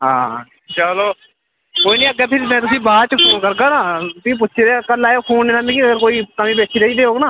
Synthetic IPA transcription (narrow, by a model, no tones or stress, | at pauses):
ɦãː | t͡ʃəloː | koːiːnĩːləɡɛːpʰɪɾmɛ̃ːt̪̬ʊsĩːbaːɾt͡ʃəpʰoːnkəɾɡaːnãːt̪ĩːp̬ʊtːʃʰeːɾekəlːaːopʰoːnːeːnaːmĩːkiəɡəɾkoːiːkəmĩːbeːt͡ʃʰiːɾeiːd̪eːɦoːɡnaː